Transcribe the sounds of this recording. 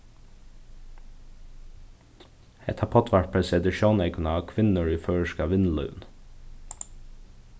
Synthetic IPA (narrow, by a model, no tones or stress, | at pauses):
ɛ̰t̪ʰɑpʰɑt̪ʰʋæʈpʰɹɛsɛd̪ɪʃoːneɪkʰʉnɑɑːkʰʋɪnəɹʉːføːɹəʃkɑʋɪnlœ̰ʉn